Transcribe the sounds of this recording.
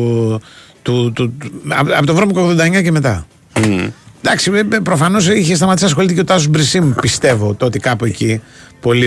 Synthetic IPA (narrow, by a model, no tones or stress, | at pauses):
t̪ut̪uɐ̰ɐpot̪ovɾomikoɣðod̪ɐeɲɐce̞met̪ɐ | d̪ɐksiepɾo̞fɐno̞s̬içest̪ɐmɐt̪isɐs̬xo̞lit̪icet̪ɐsosbɾisimupist̪e̞vot̪o̞t̪ikɐpuecipo̞li